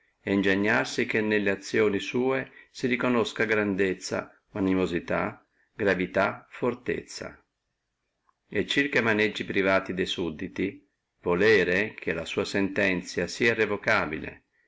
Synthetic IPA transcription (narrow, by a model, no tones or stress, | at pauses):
ɛind͡ʒeɲːarsik̟enːelːeat̪sːjoːnisuːesiɾikonoskaɡɾand̪et̪sːa̰ | manimozit̪a | ɡɾavit̪afoɾt̪ḛt̪sːa̰ | ɛt͡ʃːirkamaned͡ʒːipɾivaːt̪id̪ɛsud̪ːit̪i | volɛːɾekʰelasuːasɛnt̪ɛnt̪sjasiːairːevɔkaːbilḛ